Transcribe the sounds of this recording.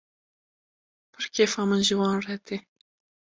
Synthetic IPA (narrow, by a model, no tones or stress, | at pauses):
pʰɨɾkʰeːfɑːmɨnʒɨwɑːnrɛt̪ʰe